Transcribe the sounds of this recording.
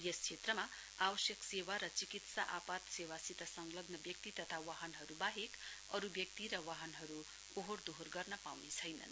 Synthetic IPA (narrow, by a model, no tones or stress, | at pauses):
jest͡sʰet̪rʌma | abʌsjʌksewaɾʌt͡sikit̪saʔapat̪sewasit̪ʌsʌŋlʌɡnʌbjʌk̚t̪it̪ʌt̪ʰawaɦʌnɦʌɾubaɦek | ʌɾubjʌk̚t̪iɾʌwaɦʌnɦʌɾu | oɦord̪oɦorɡʌrnʌpawnet͡sʰʌjnʌ̰n